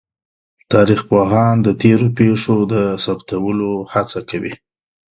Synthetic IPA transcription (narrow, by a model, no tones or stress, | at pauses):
t̪ɑɾixpoɦɑnd̪ət̪eɾopeʂod̪əsabt̪awəlohat͡sakawḭ